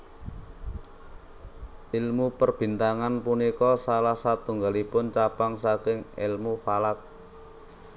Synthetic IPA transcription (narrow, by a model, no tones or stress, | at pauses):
ʔilmupərb̥i̤nt̪aŋanpunikɔsalahsat̪uŋɡalipʊnt͡ʃapaŋsakɪŋɪ̰lmufalak̚